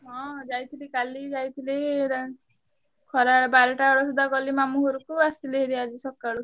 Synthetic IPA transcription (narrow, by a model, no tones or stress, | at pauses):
ɦɔ̃d͡ʒajt̪ʰilikalid͡ʒajt̪ʰileɾ | kʰɔɾaɔbaɾɔʈaɔɭɔsud̪aɡɔlimamuɦɔɾukuast̪ileɦiɾiad͡ʒisɔkaɭu